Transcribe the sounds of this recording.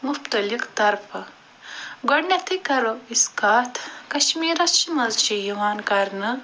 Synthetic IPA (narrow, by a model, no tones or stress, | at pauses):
muft̪ɐlikt̪ɐɾpɐ | ɡɐɽnɐt̪ʰikɐɾoiskaːt̪ʰkɐʃmiːɾɐst͡ʃʰimɐzt͡ʃijiwaːnkaɾnɐ